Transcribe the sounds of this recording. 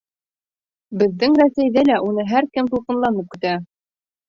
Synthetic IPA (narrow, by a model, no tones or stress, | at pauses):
bɘ̆ðːɘŋɾæsæjðɘlæʔunɤɦæɾkɘmt̪ulˠqɤ̆nlˠɑnɤp̚kɘ̆t̪æ